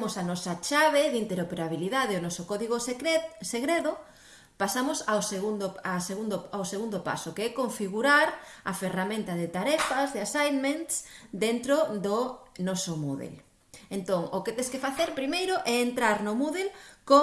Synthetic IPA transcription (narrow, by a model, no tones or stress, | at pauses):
mʊsanɔsat͡ʃaβeðint̪eɾopeɾaβiliðaðeonɔsokɔðiɣoseɣɾeðʊ | pasamʊsawseɣund̪oaseɣund̪oaoseɣund̪opa̰sokeɛkoɱfiɣuɾaɾɐferamẽnt̪ɐðɪt̪aɾɛfazðeasajnment̪sd̪ent̪ɾoðonɔsomṵðḛl | ent̪oŋoket̪ẽskefaθeɾpɾimejɾʊʔɛent̪ɾaɾnʊmuðelko